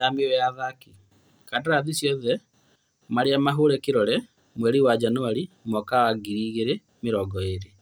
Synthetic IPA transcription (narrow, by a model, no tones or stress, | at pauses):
amiewɛaðaki | kandaɾaðisjɔðɛ | maɾeamaɦoɾɛkeɾɔɾɛ | mwɛɾiwad͡ʒanuaɾimɔkawaɡiɾiːɣeɾe | meɾɔɡɔeɾe